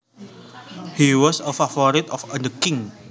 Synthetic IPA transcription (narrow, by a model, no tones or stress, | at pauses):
hiwɔsəfafɔɾit̪ɔfəndəkɪ̃ŋ